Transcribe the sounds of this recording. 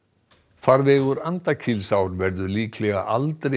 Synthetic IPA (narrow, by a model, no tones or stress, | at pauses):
faɾvɛːɣʏɾant̪acʰɪlsawɾvɛɾðʏliːkʰlɛɣa̰ʔalt̪ɾe